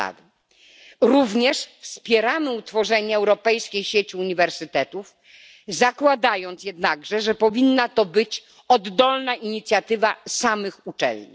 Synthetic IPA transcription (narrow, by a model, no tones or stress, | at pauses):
a̰d̪ | ɾuvɲɛʂfspʲjɛɾamɘut̪fɔʐɛɲɛːwɾɔpɛjskʲejɕet͡ɕiuɲivɛɾsɘt̪ɛt̪uf | zakwad̪ajɔnt̪sjɛd̪naɡʐɛʐɛpɔvʲinːat̪ɔbɘt͡ɕ | ɔd̪ːɔlnaʔiɲit̪sʲjat̪ɘvasamɘxut͡ʂɛ̰lɲḭ